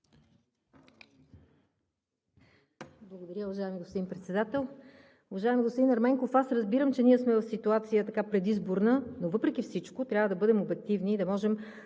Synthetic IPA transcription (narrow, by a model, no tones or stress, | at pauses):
blˠɐɡod̪ɐɾʲjəʊvɐʒaɛmiɡospod̪inpɾɛt̪sɛd̪at̪ɛlˠ | ʊvɐʒaɛmiɡostpod̪inɐɾmɛŋkofasɾəzbiɾəmt͡ʃɛniɛsmɛvɐfsit̪uat̪sijət̪ɐkapɾɛd̪izboɾnənovɤpɾɛk̟ifsit͡ʃkot̪ɾʲjavəd̪ɐbɤd̪ɛmobɛk̚t̪ivniːd̪ɐmɔʒɛm